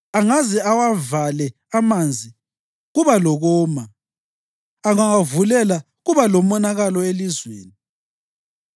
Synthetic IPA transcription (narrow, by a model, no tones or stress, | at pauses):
aŋazɛawavalɛ | amand͡zʱi | ɣuβalɔɣɔːma | aŋaŋavulɛla | ɣuβalɔmɔnaɣalɔelizweːni